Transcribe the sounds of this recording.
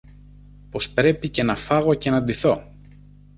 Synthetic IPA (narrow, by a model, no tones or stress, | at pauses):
po̞spɾe̞pice̞nɐfɐɣo̞ce̞nɐd̪iθo̞